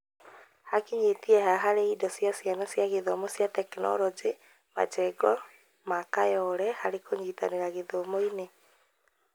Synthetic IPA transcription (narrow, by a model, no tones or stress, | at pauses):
hakiɲetiɛɦaɦaɾeidɔsjasjanɔsjaɣeðɔmosjatɛknɔ̰ɾɔd͡ʒe | ma̰t͡ʃɛɡɔ | makajɔːɾɛhaɾekoɲiːta̰neɾaɣeðɔmoine